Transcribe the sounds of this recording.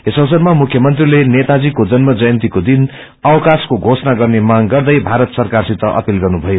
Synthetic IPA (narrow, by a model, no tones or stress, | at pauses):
esʌwsʌnmamukʰjʌmʌnt̪rilenet̪ad͡zikod͡zʌnmʌd͡zʌjʌnt̪ikod̪in | ʌwkaskoɡʱosnaɡʌrnemaŋɡʌrd̪ʌjbʱaɾʌt̪sʌrkarsit̪ːʌʔʌ̰pilɡʌrnubʱʌjo